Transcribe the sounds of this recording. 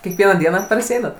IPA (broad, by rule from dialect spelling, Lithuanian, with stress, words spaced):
kʲiɛkˈʋʲiɛnɑː ˈdʲiɛnɑː pɐrʲsʲɪˈɛɪnɐt